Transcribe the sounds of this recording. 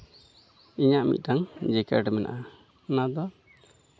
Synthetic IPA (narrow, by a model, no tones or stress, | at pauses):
iɲaʔmḭt̪̚ˀtaŋd͡ʒɛkɛ̰ɾɖɛmɛna̰ʔa | ɔnad̪ɔ